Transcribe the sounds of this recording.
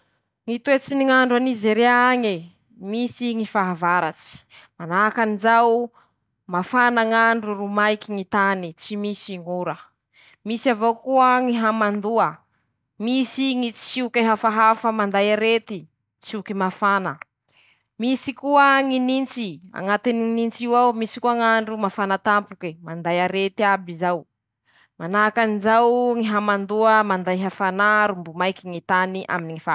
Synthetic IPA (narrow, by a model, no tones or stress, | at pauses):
ŋit̪uwet͡siniŋaɳɖ͡ʐanizeɾeaaŋi | misiŋifaɦavaɾat͡si̥manaakanizaw | mafanaŋaɳɖ͡ʐuɾumajkiŋit̪anit͡simisiŋuɾə | misavokuəŋiɦamand̪uə | misiŋit͡siukaɦafaɦafəmand̪ajaɾet̪i | t͡sukimafanə | misikuəŋinint͡sia̰ŋat̪ininint͡siwawmisi̥kuaŋaɳɖ͡ʐumafanat̪ampukimand̪ajaɾet̪iabizaw | manakanizawŋiɦamand̪uəmand̪ajɦafanaɾumbumajkiŋit̪aniʔa̰miniŋifa